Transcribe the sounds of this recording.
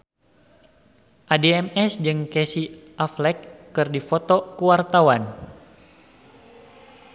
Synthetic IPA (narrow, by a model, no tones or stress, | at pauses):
ʔadeɛmɛsd͡ʒɨŋkɛsiʔaflɛkːɨrdifot̪ɔkuwart̪awan